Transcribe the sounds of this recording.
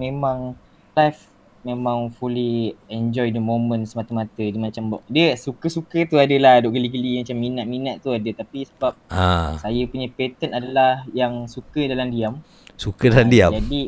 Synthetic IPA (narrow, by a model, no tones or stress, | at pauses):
mẽmãŋ | lajf | mẽmãŋfuliɛnd͡ʒɔjdəmõmə̃nsəmat̪əmat̪ədimat͡ʃambɔʔdəsukəsukət̪uadəlahdoʔɡəliɡəlimat͡ʃamːinaʔ̪̚minaʔ̪t̪uadət̪apisəbap̚asajəpuɲapet̪ənadalahjaŋsukədalamdiam | sukədalamdiad͡ʒadi